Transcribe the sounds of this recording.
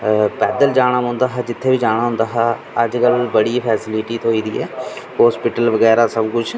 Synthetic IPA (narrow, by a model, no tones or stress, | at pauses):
pɛːd̪əld͡ʒaːɽ̃aːmʊ̃ːnd̪aːɦaːd͡ʒɪt̪ʰːeːʋiːd͡ʒaːɽ̃aːɦʊ̃nd̪aːɦaː | əd͡ʒkəlbəɽiːpʰɛːsɪlɪʈiːt̪ʰoːiːd̪ḭːɛ̰ːɦoːspɪʈəlʋəɡɛːɾaːsəbkʊd͡ʒ